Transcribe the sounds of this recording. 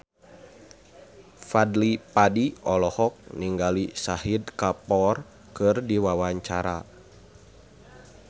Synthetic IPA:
fadlipadiʔɔlɔhɔk̚niŋɡalisahidkapɔr | kɨrdiwawaɲt͡ʃaɾa̰

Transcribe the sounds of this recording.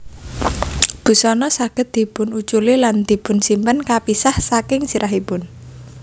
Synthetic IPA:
b̥ṳsɔnɔsaɡ̥ə̤t̪̚d̪̥i̤pʊnut͡ʃuliland̪̥i̤pʊ̤nsimpənkapisahsakɪŋsiɾʔaɦipʊn

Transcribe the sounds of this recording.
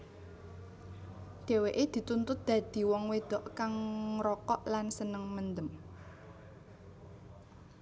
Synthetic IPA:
d̪̥e̤weʔed̪̥i̤t̪unt̪ʊt̪̚d̪̥ä̤d̪̥i̤wɔŋwed̪̥ɔ̤ʔkaŋɾɔkɔʔlansənəŋmənd̪əm

